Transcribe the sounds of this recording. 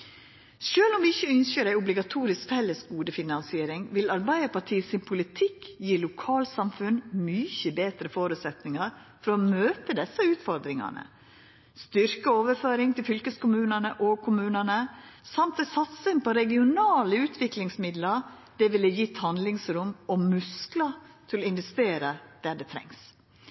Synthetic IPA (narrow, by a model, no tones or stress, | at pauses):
ʃøːlɔmʋɪɪçːəʏnçəɾæɪʊblɪɡɑt̪ʰuːɾɪskfɛlːəsɡuːd̪əfɪnɑnsɪeːɾɪŋʋɪlɑɾbæɪd̪əpɑʈʰiːsɪnpʰʊlɪt̪ʰɪkjiːlʊkʰɑːlsɑmfʉnmyːçəbeːt̪ɾəfoːɾʉt̪sɛt̪nɪŋɑɾ | fɔɾɔmøːp̪əd̪ɛsːəʉːt̪fɔɾd̪ɾɪŋɑ̰ɳə̰ | st̪ʏɾkəoːʋəɾføːɾɪŋt̪ɪlfʏlkəskʊmʉːnənəʔɔkʰʊmʉːnənəsɑmt̪ɛsɑt̪sənpɔɾɛɡɪʊnɑːləʉːt̪ʰʋɪklɪŋsmɪd̪ləɾ | d̪ɛʋɪləjɪt̪hɑnd̪lɪŋsɾʊmɔmʉsklɑt̪ʰɪlɔɪnʋɛst̪eːɾəd̪̥æɖɛt̪ʰɾɛ̰ŋs